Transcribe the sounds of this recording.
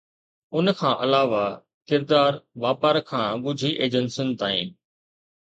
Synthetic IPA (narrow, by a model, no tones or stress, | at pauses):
ʊnkʰãːʔɐlaːʋa | kɪɾd̪aːɾʋaːpəɾkʰãːɡʊd͡ʑʱiʔeːd͡ʑənsɪnt̪aːḭ̃ːn